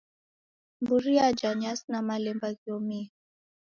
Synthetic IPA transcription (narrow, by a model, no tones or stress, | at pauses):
mbuɾiad͡ʒaɲasnamalɛmbaɣiɔmi